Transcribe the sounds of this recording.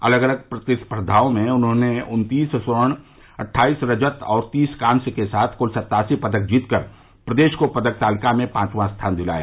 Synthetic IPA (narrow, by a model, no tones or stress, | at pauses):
ɐ̰ləɡələɡ̚pɾət̪ɪspɾəd̪ʱaːõmẽʊnɦõneʊnt̪iːssʊɾəɳ̃ | ɐʈʰːaːiːsɾəd͡ʒət̪ɔːɾt̪iːskãːnsekesaːt̪ʰkʊlsɐt̪ːaːsipəd̪ək̚d͡ʒiːt̪kəɾ | pɾəd̪eːʃkopɐd̪ək̚t̪aːlɪkamẽpãːt͡ʃmãst̪ʰaːnd̪ɪla̰ːjaː